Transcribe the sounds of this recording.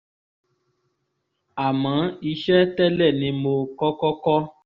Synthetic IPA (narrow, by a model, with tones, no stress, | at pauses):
a˨mã˨˦i˧ʃɛ˦tɛ˦lɛ˦˨nĩ˧˦mo˧kɔ˦kɔ˦kɔ˦